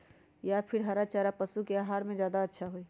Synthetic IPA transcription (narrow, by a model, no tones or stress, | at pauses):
japʰɪɾɦaɾat͡ʃaɾapəsukeaɦaːɾmẽd͡ʒjaːd̪aətːʃʰaɦoi